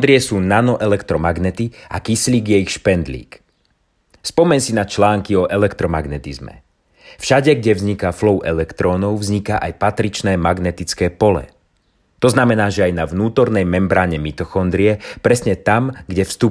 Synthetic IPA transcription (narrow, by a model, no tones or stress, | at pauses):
d̪ɾiɛsuːnanɔʔɛlɛkt̪ɾɔmaɡnɛt̪ia̰kisliːɡjɛjixʃpɛnd̪lḭːk | spɔmɛɲsinat͡ʃlaːŋkiɔʔɛlɛkt̪ɾɔmaɡnɛt̪izmɛ̰ | fʃaɟɛɡɟɛvzɲikaflɔʊʔɛlɛkt̪ɾɔːnɔʊvzɲikaʔajpat̪ɾit͡ʃnɛːmaɡnɛt̪it͡skɛːpɔlɛ̰ | t̪ɔznamɛnaːʒɛajnaʋnuːt̪ɔɾnɛjmɛmbɾaːɲɛmit̪ɔxɔnd̪ɾiɛpɾɛsɲɛt̪amɡɟɛfst̪u